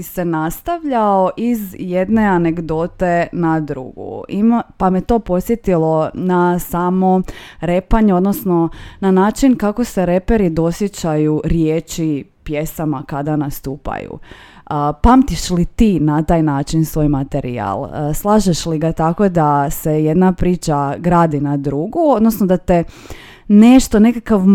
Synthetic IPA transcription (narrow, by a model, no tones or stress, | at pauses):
senast̪aʋʎaoʔizjed̪ne̞aneɡd̪ot̪e̞nad̪ɾṵɡṵimapamet̪o̞po̞t̪sjet̪ilo̞nasamo̞ɾe̞paɲeo̞d̪nosno̞nanaːt͡ʃinkako̞se̞ɾe̞peɾid̪o̞sjet͡ɕajuɾjeːt͡ʃipje̞samakad̪anast̪uːpa̰jṵ | əpamt̪iʃlit̪iːnat̪aːjnaːt͡ʃinsʋo̞ːjmat̪eɾḭa̰lˠəslˠaːʒeʃliɡat̪ako̞d̪aseje̞d̪napɾiːt͡ʃaɡɾaːd̪inad̪ɾuɡuod̪nosnod̪at̪e̞ | ne̞ʃt̪o̞ne̞kakaʋ